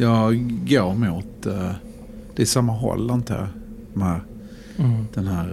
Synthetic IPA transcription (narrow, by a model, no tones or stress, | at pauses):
jɑːɡoːɾmuːt̪ | d̪̥ɛɪsamːaɦɔ̰lːant̪ʰə̰ | d̪̥ɔmhæɾ | d̪̥ɛnɦæːɾ